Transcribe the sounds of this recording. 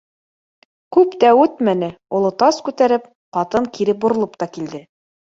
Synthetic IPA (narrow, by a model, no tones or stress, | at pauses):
kʉpt̪æʉt̪mænɘulˠɤ̆t̪ɑskʉt̪æɾɘp̚ | qɑt̪ɤŋkiɾɘp̚bŏɾŏlˠɤpt̪ɑkild̪ɘ